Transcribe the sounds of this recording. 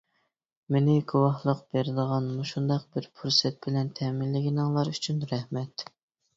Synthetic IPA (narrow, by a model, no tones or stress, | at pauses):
menɪɡʲʰuwɑχlˠəqb̥eɾɪd̪əʁɑnmuʃund̪ɑq̚bɪɾpʰuɾsɛt̪̚bɪlɛnt̪ʰɛmɪnlːɪɡʲinɨŋlˠɑɾyt͡ʃʰynɾɛhmɛt̪